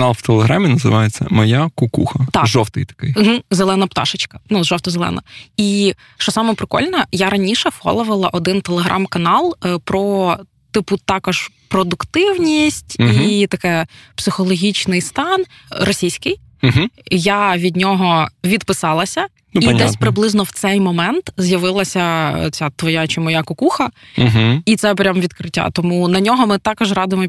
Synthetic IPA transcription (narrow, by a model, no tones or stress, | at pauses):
ɐknɑlˠwt̪elˠeɦɾamʲinɐzɪ̰ʋɑjet͡sʲːɐ̰mɔjakʊkuxɐt̪ɑʒɔwt̪ɪjt̪ɐ̥kɪjɦ̩zelˠɛnɐpt̪ɑ̰ʃɪt͡ʃkɐnuʒɔwt̪ɐzelˠɛ̰nɐ̰i | ʃt͡ʃɔsɑmɛpɾɪkɔ̰lʲnɐjaɾɐnʲiʃɛfxɔ̰lˠɔʋɐlˠɐʔɔd̪ɪnt̪elˠeɦɾʔɑ̰mkɐnɑlˠpɾɔ | t̪ɪpʊt̪ɑkɔʒpɾɔd̪ʊkt̪ɪwnʲisʲtʲit̪ɐkɛpsɪxɔlˠɔɦʲit͡ʃnɪjst̪ɑn | ɾɔsʲijsʲkɪj̩ | ɦjaʋʲid̪ʲnʲɔɦɔʋʲid̪pɪsɑlˠɐsʲɐ | idd̪ɛsʲpɾɪblˠɪznɔwt̪sɛjmɔmɛnt̪zʲjɐʋɪlˠɐsʲɐt͡sʲat̪ʋɔjat͡ʃɪmɔjakɔkuxɐɦit̪sɛpɾʲamʋʲid̪kɾɪtʲːa̰t̪ɔmunɐnʲɔɦɔmɪt̪ɑkɔʒrɑd̪ʊɪjmɔ